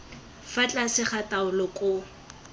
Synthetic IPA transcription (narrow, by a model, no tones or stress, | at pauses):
fat͡ɬʼasɪχatʼaʊlɔkʼʊ